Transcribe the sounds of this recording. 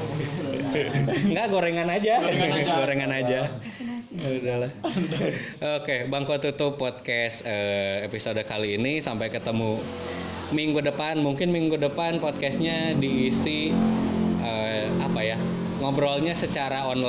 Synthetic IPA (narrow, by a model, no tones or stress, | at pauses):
ŋɡaʔɡoɾeŋanad͡ʒaɡoɾeŋanad͡ʒa | udalah | okebaŋkot̪ut̪ʊpːɔt̪̚kɛsəepisodkaliːnisampajkət̪əmu | miŋɡudəpanmuŋkɪnmiŋɡudəpanpɔt̪̚kɛsɲadiːsi | ʔəapaja | ŋɔbɾɔlɲasət͡ʃaɾaɔnla